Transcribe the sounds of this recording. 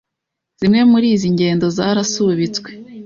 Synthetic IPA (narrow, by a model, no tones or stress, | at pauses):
z̥imŋe̞muɾiːziɲɟe̞ːndo̞zaɾasuβit͡swe